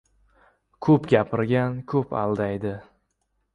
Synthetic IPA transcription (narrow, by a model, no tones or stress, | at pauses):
kʰɵpɡʲapʰɪɾɡʲankʲʰɵpa̰lˠd̪ajd̪ɪ